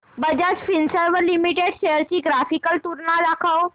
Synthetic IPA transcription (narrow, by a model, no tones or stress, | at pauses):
bəd͡ʑat͡sfinsəɾʋəlimiʈeɽɕejəɾt͡ɕiːɡɾafikəlt̪uɾnad̪akʰaw